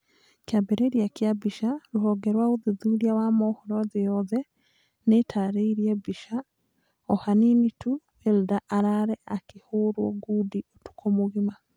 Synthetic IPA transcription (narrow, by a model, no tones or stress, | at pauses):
kjabeɾeɾjakjabiʃaɾuɦoɡeɾwauðiðuɾjawamohoɾozijɔðɛ | netʰaɾiiɾjebiʃa | ohaninitu | eldaʔːɾaɾeʔakihuɾwoɡudiotu̥kʰomuɣima